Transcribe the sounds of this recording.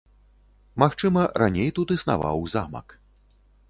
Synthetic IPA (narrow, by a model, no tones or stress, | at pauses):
maxt͡ʂɨmɐɾanʲejt̪ut̪ɨsna̰va̰wzamɐ̰k